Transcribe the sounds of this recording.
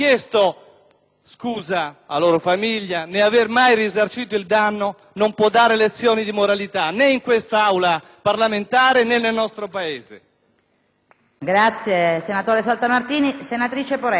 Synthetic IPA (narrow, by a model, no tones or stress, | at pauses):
kjest̪o | skuːzaaloːɾofamiʎːaneavermajrizart͡ʃiːt̪̬oild̪anːo | nompwɔd̪ːaːɾelet̪sːjɔːnid̪imoɾalit̪aneiŋkwest̪aawla | parlament̪aːɾenenːelnɔst̪ɾopaeːzḛ | ɡɾat̪sːjesenat̪oːɾesalt̪amart̪iːnisenat̪ɾiːt͡ʃepoɾɛ